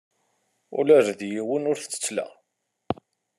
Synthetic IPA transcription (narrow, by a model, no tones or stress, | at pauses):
ʊ̰læɾðjiwənʊɾθə̥t͡sːə̥t͡sːlæ̰